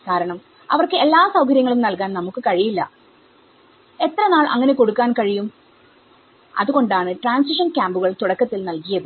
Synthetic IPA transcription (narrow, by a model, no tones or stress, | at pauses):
kaːɾɐɳɐm | ɐ̰ʋɐrkɨelːaːsɐwkɐɾjɐŋːɐɭumnɐlkaːnnɐmukːɨkɐɻijilːɐ | e̞t̪ːrɐnaːɭʔɐ̰ŋːɐne̞ko̞ɽukːaːnkɐɻijum | ɐ̰ðuɣo̞ɳɖaːɳɨʈraːnsiʂɐnkʲaːmbuɣɐɭt̪uɽɐkːɐt̪ːilnɐlkijɐðɨ